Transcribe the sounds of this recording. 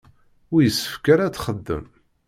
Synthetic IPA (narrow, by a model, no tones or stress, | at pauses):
ʊɾjəsːə̥fkæɾæt͡sːχəd̪ːə̰m